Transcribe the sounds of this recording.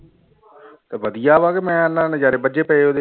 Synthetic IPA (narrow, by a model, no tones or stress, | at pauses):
t̪eʋəd̪ɪjaːʋaːkemɛ̃ːənãːnẽd͡ʒaːɾeːbəd͡ʒeːpəeːoːd̪eː